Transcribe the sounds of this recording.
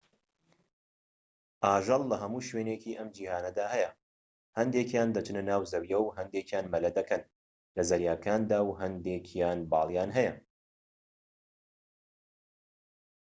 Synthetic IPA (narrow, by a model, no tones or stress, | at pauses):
ʔaːʒɐlˠlɐɦɐmuːʃweːnecʰiːʔɐmd͡ʒiːhaːnɐd̪aːhɛjɐ | hɐnd̪ekjaːnd̪ɐt͡ʃʰɨnɨnaːwzɐwjɐwɦɐnd̪eːkjaːnmɐlɐd̪ɐkʰɐn | lɐzɐɾjaːkaːnd̪aːwɦɐnd̪eːkʰjaːnbɑːlˠjaːnɦɛjɐ